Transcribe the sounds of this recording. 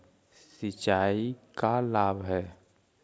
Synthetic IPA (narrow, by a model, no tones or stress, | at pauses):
sɪt͡ʃaːikalaːbɦɛː